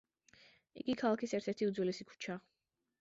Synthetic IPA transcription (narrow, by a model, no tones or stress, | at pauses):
ḭɡikʰalˠakʰisɛɾt̪ʰɛɾt̪ʰiud̪zwɛlɛsikʰu̥t͡ʃʰa